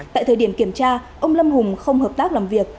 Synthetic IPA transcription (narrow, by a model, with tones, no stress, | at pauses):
t̪a̰ː˧˨t̪ʰəː˨˩jɗi˧˩əŋki˧˩əmt͡ɕaː˧ʔə˧wŋ͡mlə˧mhʊ˨˩ŋ͡mxə˧wŋ͡mhəː˨˩p̚t̪aː˦˥k̚laː˨˩mvi˨˩ək̚